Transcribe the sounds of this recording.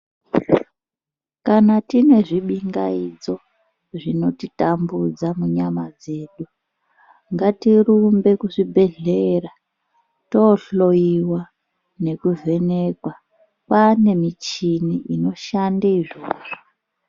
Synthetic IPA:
kanatine̞ʐiɓiŋɡa̰id͡zo̞ | ʐino̞titambud͡zamuɲamad͡ze̞ːɗu | ŋɡatirumbe̞kuʐibʱe̞ɮera | toɬo̞iwa | ne̞kuvʱe̞ne̞kwa | pane̞mit͡ʃiniʔino̞ʃandaiʐoːʐo

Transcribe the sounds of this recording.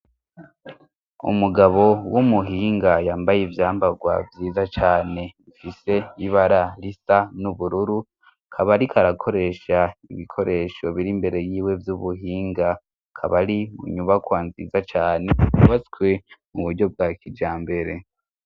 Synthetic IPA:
ṵmuɡaβo̞wumuɦiːŋɡajaːmbajevjaːmbaɡwa̰vjiːzat͡ʃaːne̞ifise̞iβaɾaɾisanuβuɾuɾu | kʰaβaɾikʰaɾakʰo̞ɾe̞ʃaiβikʰo̞ɾe̞ʃo̞βiɾimbe̞ɾe̞jiːwe̞vjuβuɦiːŋɡa | kʰaβaɾiṵɲuβakwaːnzḭzat͡ʃaːneuβat͡skwe̞muβuɾɟo̞b̚ɡakid͡ʒaːmbe̞ɾe̞

